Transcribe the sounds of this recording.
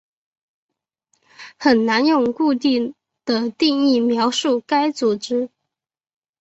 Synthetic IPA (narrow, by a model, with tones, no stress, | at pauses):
xə˨˩nna˧˥njʊ˥˧ŋku˥˧t̪i˥˩ŋ | d̪̥ə˨˩t̪i˥˧ŋi˥˩mjɑ˧˥ʊʂu˥˩ka˥ɪt͡su˨˩ʈ͡ʂɻ̩˥